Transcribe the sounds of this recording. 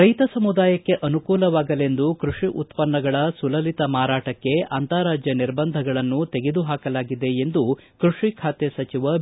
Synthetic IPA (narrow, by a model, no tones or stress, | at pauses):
ɾɐjt̪ɐsɐmud̪aːjɐkːe̞ʔɐnukuːlɐʋaːɡɐle̞nd̪ukɾuʂiʔut̪pɐnːɐɡɐɭɐsulɐlit̪ɐmaːɾaːʈɐkːe̞ɐnt̪aːɾaːd͡ʒjɐniɾbɐnd̪ʱɐɡɐɭɐnːut̪e̞ɡed̪uɦaːkɐlaːɡid̪e̞end̪ukɾuʂikʰaːt̪esɐt͡ʃiʋɐ